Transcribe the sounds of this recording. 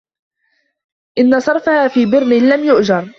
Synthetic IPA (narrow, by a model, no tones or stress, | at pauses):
ʔɪnːasˤɑɾˤfahaːfiːbɪɾnɪlamjʊʔd͡ʒɑɾˤ